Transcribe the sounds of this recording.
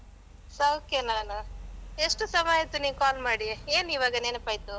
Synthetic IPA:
sɐwokenaːnɐeʂʈusɐmaːjɐt̪ːuniːʋkaːlmaːɽieːniʋaːɡɐnenɐpaːjt̪u

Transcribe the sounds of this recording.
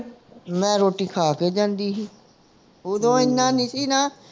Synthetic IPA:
mɛ̃ːɾoːʈiːkʰaːkeːd͡ʒãːnd̪iːɦiː | od̪õːɪnːãːnɪsiːnaː

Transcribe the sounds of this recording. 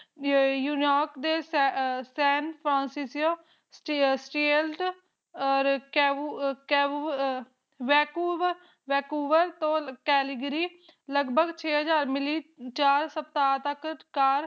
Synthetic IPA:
juːnɪjɔːɾkd̪eːssɛːnpʰɾãːnsiːsoː | ssʈiːelʈ | ɔɾkɛkɛː | ʋɛːkuːʋ | ʋɛːkuːʋəɾt̪õːkɛːliɡɾiːləɡbəɡt͡ʃʰeːɦəd͡ʒaːɾmɪliːt͡ʃaːɾsəp̚t̪aːt̪əkkaːɾ

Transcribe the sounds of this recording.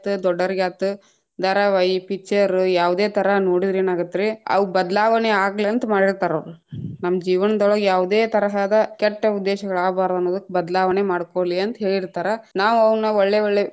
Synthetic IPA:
t̪ud̪ɔɖːɐɾiɡaːt̪u | d̪ɐɾɐʋɐjpit͡ʃːɐɾjaːʋd̪e̞ːt̪ʰɐɾɐnoːɽid̪ɾeːnaːɡɐt̪ːɾeɐ̰ʋbɐd̪ɐlaːʋɐneaːɡliɐnt̪ɐmaːɽiɾt̪aːɾoɾunɐmːɐd͡ʒiːʋɐnɐd̪ɔɭɐɡjaːʋd̪eːt̪ɐɾɐɦaːd̪ɐkɛʈːɐud̪ːeːʃɐɡɐɭaːbaːɾd̪ɐnːoːd̪ukːebɐd̪ɐlaːʋɐnemaːɽkoːliɐnt̪ɐɦeːɭiɾt̪aːɾɐnaːʋuɐʋɐɳnːɐɔɭːeɔɭːe

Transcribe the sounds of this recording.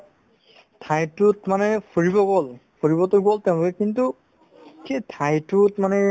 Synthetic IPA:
tʰajtʊtmanɛpʰoɹibɔɡolpʰoɹibɔtʊɡoltɛʊ̃lokɛkintu | kʰejtʰajtʊtmanɛ

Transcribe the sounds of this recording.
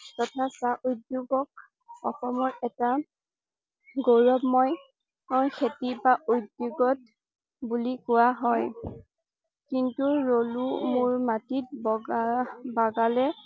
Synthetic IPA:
tɔtʰasaʔujdjuɡɔk̚ | ɔxɔmɔɹɛta | ɡoɹɔpmɔj | xʰetibaʔojdːuɡɔt̚ | bulikʊwaɦɔj | kintuɹolumʊɹmatit̚b | baɡalɛ

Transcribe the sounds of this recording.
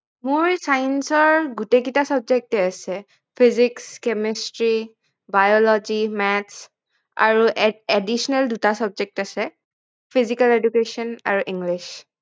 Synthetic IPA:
mʊɹsajnsɔɹɡutek̬itasɔb̚d͡ʒek̚tɛasɛ | pʰizikskɛmistɹi | bajɔlɔd͡ʒimɛts | a̰ɹuʔedisɔnaldutasɔb̚d͡ʒek̚tasɛ | pʰizikaledukesɔna̰ɹuʔiŋɡliʃ

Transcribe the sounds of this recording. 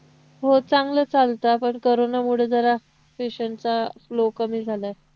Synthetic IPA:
ɦot͡saŋɡləːt͡salt̪apəɳkoɾonamuɽ̤ed͡zəɾa | feɕəɳt͡saflokəmiːd͡zʱalae

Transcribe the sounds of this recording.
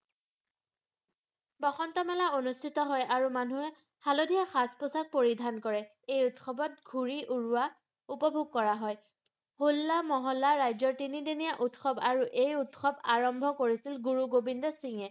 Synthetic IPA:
bɔxɔntɔmɛlaonustʰitɔɦɔjʔaɹumanuɛ | halodʱijaxaspʊsak̚poɹidʱankɔɹɛ | ejutxɔbɔt̚ɡʱuɹiʔuɹuwa | upɔbʱuɡ̚kɔɹaɦɔj | hulːamɔɦɔlːaɹajzɔɹtinidenijaʔutxɔbaɹuʔejutxɔbaɹɔmbʱɔkoɹisilɡuɹuɡobindɔsiŋɛ

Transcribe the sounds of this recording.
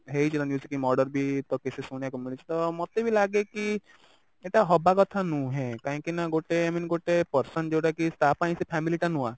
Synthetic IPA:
ɦeit͡ʃʰit̪anjuːsikimɔːɾɖəɾbʱit̪ɔkɪsesunjakɔmjult͡ʃit̪ɔmɔt̪ːebʱilaːɡeki | eʈaɦɔbakɔt̪ʰanũɦɛ̃kaɦĩkinaɡoːʈeaminɡoʈepəɾsənd͡ʒoɽaɦkisʈ̪aːpaːĩsepʰɛːmiliʈanũa

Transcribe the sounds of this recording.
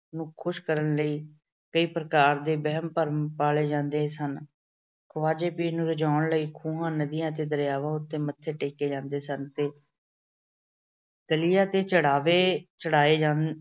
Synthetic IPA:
nũːkʰʊʃkəɾənləiː | kəiːpɾəkaːɾd̪eːbəɦəmpəɾmpaːleːd͡ʒãːnd̪eːsən | kʰʊʋaːd͡ʒeːpiːnũːɾəd͡ʒaːʊɳləiːkʰũːɦãːnəd̪ijãːt̪̬eːd̪əɾjaːʋãːʊt̪ːeːmət̪ʰːeːʈeːkeːd͡ʒãːnd̪eːsənt̪eː | d̪̥əlɪjãːt̪eːt͡ʃəɽaːʋeːt͡ʃəɽaːeːd͡ʒãː

